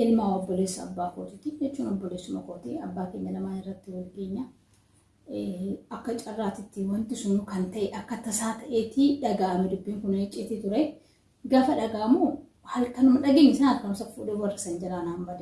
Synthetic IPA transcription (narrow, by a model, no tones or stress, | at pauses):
ʔɪlmaːɔbːɔleːsːɐ̰ːbːaːkoːt̪ɪt̪ɪd͡ʒɛt͡ʃːuːnɔbːɔleːsːʊmɐkoːt̪iɐbːaːke̞ːɲːɐlɐmaːnɪrːɐt̪ːɪwɐlkeːɲːɐ | ɐkːɐt͡ʃʼɐrːaːt̪ɪt̪ːɪwɐnt̪ɪsʊnʊkɐnt̪ɐʔɛʔɐkːɐt̪ːɐsaːt̪ɐʔeːt̪iᶑɐɡaːʔɐmɪd̪ʊbːiːŋkʊnɐɪt͡ʃʼːɪt̪it̪ʊɾɐj | ɡaːfɐᶑɐɡaːmoː | hɐlkɐnʊmɐᶑɐɡeːɲːɪsɐnɐt̪kːɐnʊmsɐfṵːᶑɛwɐrːɐsɐnd͡ʒɐɾaːnaːmbɐd̪e